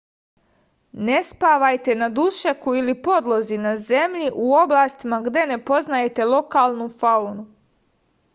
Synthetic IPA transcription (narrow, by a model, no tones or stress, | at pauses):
ne̞spaʋajt̪e̞nad̪uʃekuilipo̞d̪lˠozinaze̞mʎiʔuo̞blˠaːst̪imaɡd̪e̞ne̞po̞znaje̞t̪e̞lˠo̞kaːlˠnufaunu